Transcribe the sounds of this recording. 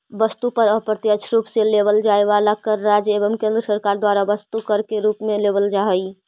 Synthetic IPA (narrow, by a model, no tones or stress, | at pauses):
bəst̪upəɾəpɾət̪jəʃʰɾupselebəld͡ʒaeʋalakəɾːad͡ʒeβəmkẽnd̪ɾəsəɾkaɾd̪waɾabəst̪ukəɾkeɾupmelebəld͡ʒaɦəj